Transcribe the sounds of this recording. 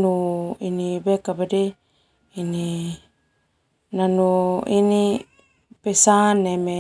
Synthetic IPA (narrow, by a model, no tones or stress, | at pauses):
nuinibekabede | ini | nanuini | pesaneme